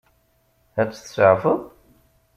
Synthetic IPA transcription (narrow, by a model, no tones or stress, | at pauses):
æt͡sːθə̥səʕfəðˤ